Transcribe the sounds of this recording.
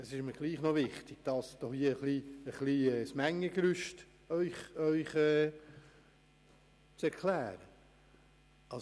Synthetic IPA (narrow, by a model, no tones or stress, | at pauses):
əsɪʃməɾɡ̥liːχnovɪχtɪɡ̥̚d̥ɑsd̥ɔχhiəəχliəχliɛːsmæŋːəkɾʏʃt | œʏχœʏχɛː | t͡sɛɾkʰlæːɾə | ɑ